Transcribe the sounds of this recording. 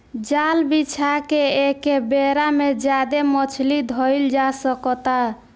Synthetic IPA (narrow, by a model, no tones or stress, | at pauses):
d͡ʒalbit͡ʃʰakeekebeɾamed͡ʒjad̪emət͡ʃʰlid̪ʱɔjld͡ʒasəkɔt̪a